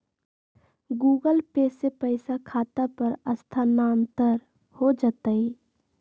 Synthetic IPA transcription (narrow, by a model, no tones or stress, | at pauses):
ɡuːɡəlpeːsepəɪsakʰaːt̪apəɾəst̪ʰanaːnt̪əɾ | hod͡ʒat̪əi